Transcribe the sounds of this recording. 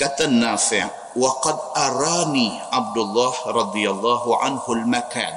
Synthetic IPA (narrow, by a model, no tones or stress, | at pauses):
kat̪ːanːaːfɪʕ | wɑqɑd̪ʔɑɾˤɑːniː | ʕab̚d̪ʊlˤːɑːhɾˤɑd̪ˤɨjalˤːɑːhʕa̰nhʊlmaka̰ːn